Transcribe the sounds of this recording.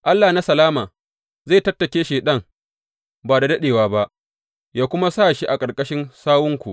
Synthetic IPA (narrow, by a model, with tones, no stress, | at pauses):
ʔa˦lːaː˨na˦sɐ˨laː˦maː˨ | ze˦˨tɐ˦tːɐ˨kʲeː˦ʃeː˨ɗɐ˦˨ŋ | baː˨da˨dɐ˦ɗeː˨waː˨ba˦ʔ | jaː˦kʷʊ˦ma˦saː˦˨ʃi˦ʔa˨kʼɐ˨ɽkʼɐ˦ʃɪ˦nsaː˦wʊ˦ŋkʷu˨ʔ